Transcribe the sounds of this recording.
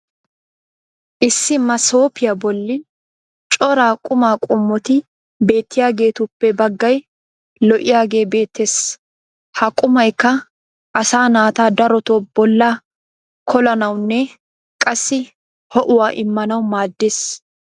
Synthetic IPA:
ʔɪsːɪmɐso̞ːpɪjɐbɔlːɪn | t͡ʃʼɔɾaːkʼʊmaːkʼʊmːɔt̪ɪ | be̞ːt̪ːɪjaːɡe̞ːt̪ʊpːɛbɐɡːɐj | lɔʔɪjaːɡe̞ːbe̞ːt̪ʰːeːs | hɐkʼʊmɐjkːɐ | ʔɐsaːnaːt̪aːd̪ɐɾɔt̪oːbɔlːaː | kʰɔlɐnɐwnːɛ | kʼɐsːɪ | hɔʔʊwaːʔɪmːɐnɐwmaːd̪ːeːs

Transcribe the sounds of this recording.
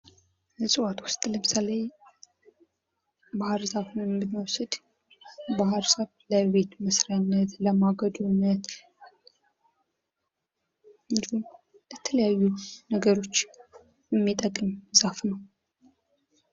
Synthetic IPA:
ləsʼɨwat̪wʊst̪ʼləmɨsalaj | bahɾzafnəwmbɨmːwɔsəd̪ | bahɾsəβləβe̞t̪məsɾanːət̪ləmaɡəd̪unːət̪ | ɨnd̪ihum | lɛt̪ʰələjajːunəɡəɾo̞t͡ʃː | jɛmːit̪ʼəkʼːɨmzafnəw

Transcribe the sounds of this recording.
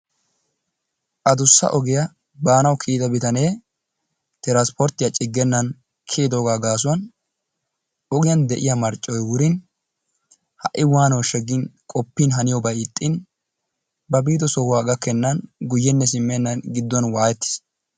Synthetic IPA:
ʔɐd̪ʊsːɐ̰ʔɔɡɪjɐ | baːnɐwkʰiːt̪ɐbɪt̪ɐne̞ː | t̪ɛɾaspɔɾt̪ɪjɐt͡ʃʼɪɡːɛnːɐn | kʰeːd̪oːɡaːɡaːs̬ʊwɐn | ɔɡɪjɐnd̪ɛʔɪjɐmɐɾt͡ʃʼːɔjwʊɾɪn | hɐʔːɪwaːnɐwʃɛɡɪnkʼɔpːɪnɦɐnɪjɔbɐjɪt̪ʼːɪn | bɐbiːt̪ɔsɔhʊwaːɡɐkːɛnːɐnɡʊjːɛnːɛs̬ɪmːɛnːɐnɡɪd̪ːɔnwaːjɛt̪ːɪ̥s

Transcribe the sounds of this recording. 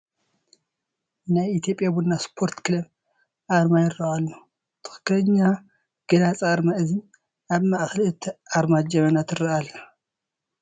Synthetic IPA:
najit̪ʰjo̞pʼjabunːaspʰo̞ɾt̪kʰɨlɐm | ʔaɾmajɪrːɐʔalːo | t̪ʰɨ̥xɨ̥kːlɐɲːa | ɡ̥ɐlat͡sʼaɾmaʔɨzɨn | ʔaβmaʔxlɨt̪ʰʔaɾmad͡ʒɐmɐnat̪ɨrɐʔalːɐ

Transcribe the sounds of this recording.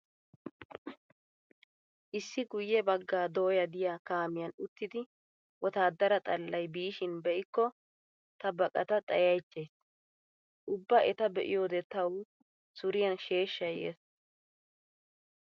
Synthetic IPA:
ʔɪsːɪɡʊjːɛbɐɡːaːd̪oːjɐd̪ɪjaːkaːmɪjɐnʊt̪ːɪd̪ɪ | wɔt̪aːd̪ːɐɾɐt̪ʼɐlːɐjbiːʃɪnbɛʔɪkːɔ | t̪ɐbɐkʼɐt̪ɐt̪ʼɐjɐjt͡ʃːe̞ːs | ʔʊbːɐʔɛt̪ɐbɛʔɪ̰jo̞ːd̪ɛt̪ɐw | sʊɾɪjɐnʃe̞ːʃːɐjḛːs

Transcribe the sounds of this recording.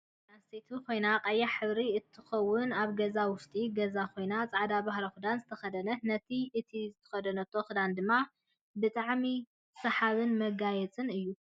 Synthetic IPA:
astet̪ʰukʰo̞jnaqʼɐjːaħɨβɾiɨt̪ʰːɨxɐwːʊnaβɡɐzawʊʃt̪ʼiɡɐzakʰo̞jnat͡sʼaʕd̪abahɾɐxɨd̪anzɨt̪ʰɐxɐd̪ɐnɐnɐt̪ʰiɨt̪ʰizɨt̪ʰɐ̥xɐd̪ɐnɐt̪ʰo̞xɨd̪and̪ɨmːa | bɨt̪ʼaʕmi | sɐħaβɨnmɐɡajɛt͡sʼɨnɨjːu

